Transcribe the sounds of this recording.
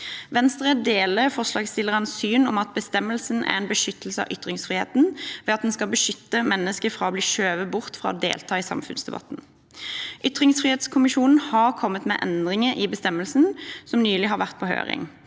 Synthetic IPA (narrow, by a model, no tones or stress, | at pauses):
ʋɛnst̪əʁɛd̪eːləʁfɔʁʂlɑːɡst̪ɪləʁənsyːnɔmɑt̪̚bəst̪ɛmːəlsənæ̰ʁɛnbəʃʏt̪əl̩səɑ̰ʋʔʏt̪ʁɪŋsfʁɪhḛːt̪nʋɛːɑt̪̚d̪ɛnskɑlbəʃʏt̪ːəmɛnːəskəfʁɑːɔbliːʃøːʋəbʊʁt̪fʁɑ̰ːɔd̪ḛːlt̪ʰɑːɪsɑ̰mfʉ̰nsd̪ɛbɑ̰t̪n̩ | ʔʏt̪ʁɪŋsfʁɪheːt̪skʰʊmɪʃuːnn̩hɑʁkʰɔmːət̪mɛ̰ːʔɛnd̪ʁɪŋəʔɪbəst̪ɛmːəlsən̩sɔmnyːlɪɦɑːʁʋæʁt̪̚pʰɔɦø̰ːʁɪ̰ŋ